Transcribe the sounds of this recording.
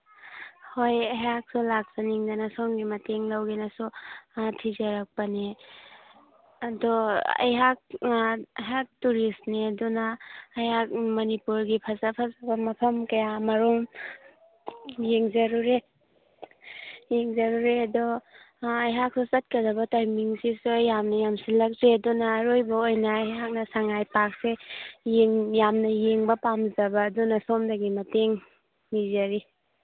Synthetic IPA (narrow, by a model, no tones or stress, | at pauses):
hojɐɦak̚sɔlak̚saniŋdanasoŋɡimɐteŋlawɡenasɔtʰizaɾak̚pane | ɐdɔɐ̰jɦak̚ | ɦak̚tuɾisnedunaːjak̚mɐnipuɾɡipʰazapʰazabamɐpʰɐmkɐjamɐɾum | jeŋzɐɾuɾe | jeŋzɐɾuɾeɐdɔː | jɦak̚susɐt̚kɐdɐbɐtajmiŋsisojamnɐjamsilɐk̚zeɐdɔnaːɾojbɐojnaːjɦak̚nɐsaŋajpak̚sejeŋjamnɐjeŋbɐpamzɐbaːdɔnɐsɔmdɐɡimɐteŋ | mizaɾi